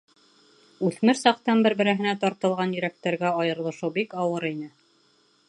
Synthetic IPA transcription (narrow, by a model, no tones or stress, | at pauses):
ʉθmɘɾsɑqt̪ɑnbɘɾbɘ̆ɾæɦɘ̆næt̪ɑɾt̪ɤ̆lˠʁɑnjɵ̆ɾæk̚t̪æɾɡæɑjɤ̆ɾlˠɤ̆ʃɤwbikɑwɤɾinɘ